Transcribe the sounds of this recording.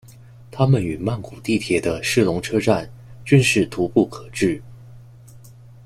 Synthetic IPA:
t̪ʰa˥mə˨ny˨˩ma˥˩nku˨˩t̪i˥˩t̪ʰjɛ˧˥d̪ə˧ʂɻ̩˥˩lʊ˧˥ŋʈ͡ʂʰɤ˥ʈ͡ʂa˥˧ny˥˧nʂɻ̩˥˩t̪ʰu˧˥pu˥˩kʰɤ˨˩ʈ͡ʂɻ̩˥˩

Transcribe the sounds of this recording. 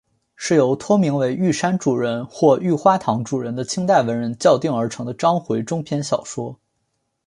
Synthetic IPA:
ʂɻ̩˥˩jo˧˩˥ʊt̪ʰwɔ˥mi˧˥ŋwe˧˥ɪy˥˩ʂa˥nʈ͡ʂu˨˩ɻə˧˩nxwɔ˥˧y˥˩xwa˥t̪ʰɑ˧˥ŋʈ͡ʂu˨˩ɻə˧˥nd̪ə˧t͡ɕʰi˥ŋt̪a˥˩ɪwə˧˥nɻə˧˥nt͡ɕjɑ˥˧ʊt̪i˥˩ŋə˞˧˥ʈ͡ʂʰɤ˧˥ŋd̪ə˧ʈ͡ʂɑ˥ŋxwe˧˥ɪʈ͡ʂʊ˥ŋpʰjɛ˧˥nɕjɑ˨˩ʊʂwɔ˥

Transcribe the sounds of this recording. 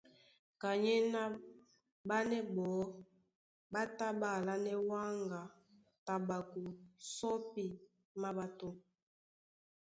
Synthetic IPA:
ka˨ɲɛ˦na˦ | ba˦nɛ˦bɔ˨˦ | ba˦ta˦ba˦˨la˦nɛ˦wa˦ŋɡa˨ | ta˨ɓa˨ku˨sɔ˦pi˨ | ma˦ba˦to˦

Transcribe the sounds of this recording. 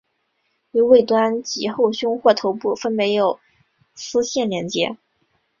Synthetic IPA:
y˧˥we˥˩ɪt̪wa˥nt͡ɕi˧˥xo˥˩ʊɕjʊ˥ŋxwɔ˥˩t̪ʰo˧˥ʊpu˥˩fə˥nme˧˥ɪjo˨˩ʊ | sɹ̩˥ɕjɛ˥˩nljɛ˧˥nt͡ɕjɛ̰˧˥

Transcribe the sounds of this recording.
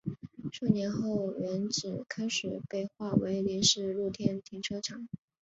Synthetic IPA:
ʂʰɤ˥˩njɛ˧˥nxo˥˩ʊɥɛ˧˥nʈ͡ʂɻ̩˨˩kʰa˥ɪʂɻ̩˨˩pe˥˧ɪxwa˥˩we˧˥ɪlɛ˧˥nʂɻ̩˥˧lu˥˩t̪ʰjɛ˥˩nt̪ʰi˧˥ŋʈ͡ʂʰɤ˥ʈ͡ʂʰɑ˨˩˦ŋ

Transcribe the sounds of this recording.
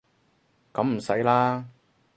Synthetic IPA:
kɐ˨˧˥mm̩˨˩sɐ˨˥jlaː˥

